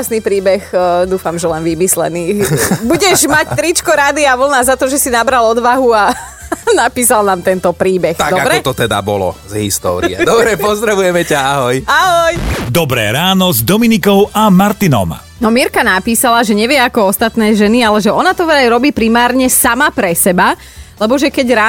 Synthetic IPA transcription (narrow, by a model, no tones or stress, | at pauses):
sniːpɾiːbɛxd̪uːfamʒɛlɛnʋimislɛ̰niːbuɟɛʒmact̪ɾit͡ʃkɔɾad̪iaʋl̩nazat̪ɔʒɛsinabɾalɔd̪ʋaɦua | napiːsalnaːmt̪ɛnt̪ɔpɾiːbɛxt̪aɡd̪ɔabkɛɔt̪ɔt̪ɛd̪a̰bɔlɔ̰zɦḭst̪ɔ̰ːɾḭɛ̰d̪ɔbɾɛpɔzd̪ɾaʋujɛmɛcaaɦɔjaɦɔjd̪ɔbɾɛ̰ːɾaːnɔzd̪ɔminikɔʊʔamaɾt̪inɔ̰m | nɔmiɾkanapiːsalaʒɛɲɛʋɪɛakɔɔst̪at̪nɛːʒɛnialɛʒɛɔnat̪ɔʋɛajɾɔbiːpɾimaːɾɲɛsamapɾɛsɛba | lɛbɔʒɛkɛɟɾaː